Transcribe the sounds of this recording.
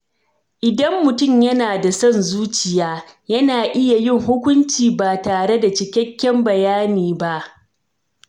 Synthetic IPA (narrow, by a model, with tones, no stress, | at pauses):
ʔɪ˨dɐ˦mːʊ˨tʊ˦˨mjɐ˦naː˨da˨sɔ˦˨nzuː˦t͡ʃɪ˨jaː˦ | jɐ˦naː˨ʔɪ˦ja˨jɪ˦˨ŋhʊ˦kʷʊ˦nt͡ʃiː˨baː˨taː˨ɽe˦da˨t͡ʃɪ˨kʲɛ˦kʲːɛ˦mbɐ˨jaː˦niː˨ba˦ʔ